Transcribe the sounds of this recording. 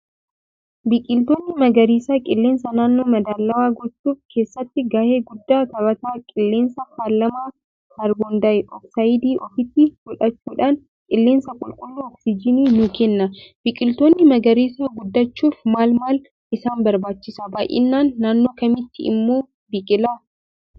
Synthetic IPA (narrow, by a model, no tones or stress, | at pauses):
bikʼɪlt̪o̞ːnːɪmɐɡɐɾiːsaːkʼɪlːe̞ːnsɐnaːnːo̞ːmɐd̪aːlːɐwaːɡɔt͡ʃːuːfkʰe̞ːsːɐt̪ːɪɡaːhe̞ːɡʊd̪ːaːt̪ɐbɐt̪aːkʼɪlːeːnsɐhaːlːɐmaː | hɐɾɡɔnd̪ɐɪʔɔksajɪd̪iːʔɔfɪt̪ːɪfʊᶑɐt͡ʃːuːᶑaːn | kʼɪlːeːnsɐkʼʊlkʼʊlːuːɔksɪd͡ʒɪniːnʊkɛnːɐbɪkʼɪlt̪oːnːɪmɐɡɐɾiːsaːɡʊd̪ːɐt͡ʃːuːfmaːlmaːl | ʔɪsaːnbɐɾbaːt͡ʃːɪsɐbaːʔɪ̰nːaːnːaːnːo̞ːkɐmɪt̪ːɪɪ̰mːo̞ː | bɪkʼɪlaː